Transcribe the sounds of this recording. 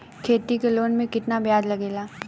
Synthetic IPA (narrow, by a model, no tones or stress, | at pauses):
kʰeːt̪ikeloːnmẽkɪt̪nabjaːd͡ʒlɐɡeːlaː